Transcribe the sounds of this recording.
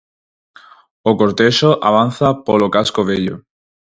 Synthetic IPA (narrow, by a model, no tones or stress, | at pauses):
okoɾt̪eʃoʔa̰β̞an̟θapolokaskoβeʎo̰